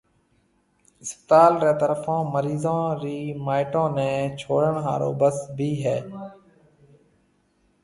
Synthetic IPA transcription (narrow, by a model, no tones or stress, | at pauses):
ɪspət̪aːlɾeːt̪əɾəfãːməɾiːzãːɾiːmaːɪʈõːnɛ̃ːt͡ʃʰoːɽəɳɦaːɾo̰ːbəsbʱiːɦɛː